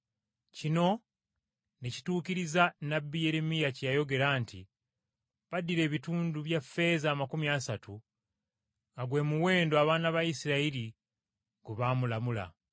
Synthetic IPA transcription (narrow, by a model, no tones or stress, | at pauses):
cino̞ | neci̥tuːkiɾizanabːije̞ɾe̞mijacjajo̞ɡe̞ɾaːntḭ | βadiɾe̞ːβituːnduβjafːe̞zaːmakumiasatu | ŋɡaɡwe̞ːmuwe̞ːndoaβaːnaβaisiɾaiɾi | ɡ̥uβamulamula̰